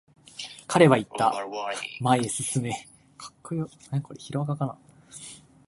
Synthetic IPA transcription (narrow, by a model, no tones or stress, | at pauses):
kʰaɾe̞βait̪ːa | maiesɨsɨme̞ | kʰḁkːojonako̞ɾeçiɾoɡakana̰